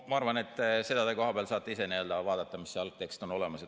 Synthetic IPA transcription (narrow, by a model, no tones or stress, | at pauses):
mɑɑrvɑne̞t̪ːˑse̞d̪ɑd̪eko̞ɦɑb̥eɑlsɑːt̪ːˑeise̞nield̪ɑvɑːd̪ɑt̪ːˑɑmisːeɑlk̚t̪e̞kst̪o̞no̞le̞mɑse